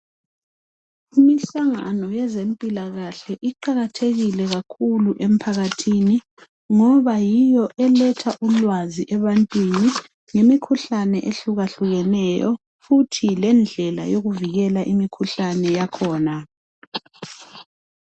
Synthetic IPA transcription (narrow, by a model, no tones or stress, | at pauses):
imiɬaŋa̰nɔjɛzempʼilaɣaɬɛʔiǃaɣatʰeɣilɛɣakʰuluʔem̩pʰaɣatʰini | ŋɔβajijɔʔɛlɛtʰaʔulwaziʔɛβantʼwini | ŋemikʰuɬanɛʔeɬuɣaɬuɣɛnɛjɔ̰ | futʰilɛnd͡ɮʱɛla̰joɣuviɣɛlaʔimikʰuɬanɛjakʰɔːna